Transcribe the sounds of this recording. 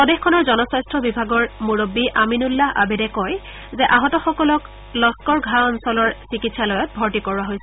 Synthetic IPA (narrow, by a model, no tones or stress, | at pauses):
pɔdexkʰːɔnɔɹzɔnɔsastɹɔbibʱaɡɔɹmuɹobːiʔaminulːaa̰bedɛkɔj | zɛʔaɦɔtɔxɔkɔlɔk | lɔskɔɹɡʱaɔnsɔlɔɹsikitsalojɔt̚bʱɔɹtikɔɹuwaɦojsɛ